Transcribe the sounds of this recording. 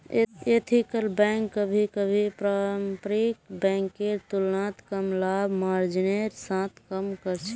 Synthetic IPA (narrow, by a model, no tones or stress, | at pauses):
et̪ʰikəlbɛ̃ŋkːəbʱikəbʱipɾapɾikbɛ̃ŋkːeɾt̪ulnat̪kəmlabʱmaɾd͡ʒineɾsãt̪ʰkəmkəɾt͡ʃʰɛ